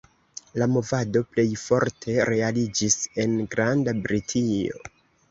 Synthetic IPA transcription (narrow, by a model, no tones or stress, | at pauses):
lamo̞vado̞ple̞jfo̞ɾtʰe̞ɾe̞alid͡ʒise̞nɡɾandabɾitʰio̞̰